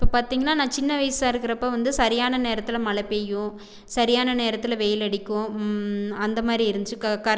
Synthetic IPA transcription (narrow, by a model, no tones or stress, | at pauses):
ɪpːopaːɾt̪iːŋɡɐnːaːnãːt͡ʃɪnːɐʋɐɪsɪsaːɪɾɯkːɪɾɐpːoːʋɐnd̪ɯsɐɾɪjaːnɐneːɾɐt̪ːɯlɐmɐlɐpːejʊ̃ | sɐɾɪjaːnɐneːɾɐt̪ːɯlɐʋeːjɪlɐɽɪkːʊ̃ | ɐnd̪ɐmaːd̪ɾiɪɾɯnd̪ɯt͡ʃːɯkɐkːaːɾ